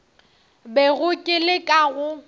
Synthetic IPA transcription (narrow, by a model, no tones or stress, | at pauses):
beɣʊkʼɪlɪkʼaɣʊ